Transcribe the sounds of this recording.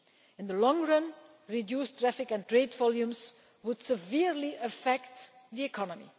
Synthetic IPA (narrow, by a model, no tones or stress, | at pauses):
ɪ̃nðəlɔ̃ŋɹʌ̃n | ɹidjuːstɹæfɪkɛ̃ntɹeɪdvɔlˠjũms | wʊdsəvɪɹliʔəfɛkt | ðiɛkʰɔnəmḭ